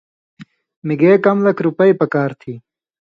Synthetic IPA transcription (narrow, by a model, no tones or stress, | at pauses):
miɡeːkɐmlɐkɾupɐipɐkaːɾt̪ʰiː